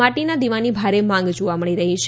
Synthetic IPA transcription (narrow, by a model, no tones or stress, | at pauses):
aʈinad̪iʋanibʱaɾemãŋɡd͡ʒoʋaməɽiɾəɦit͡ʃʰ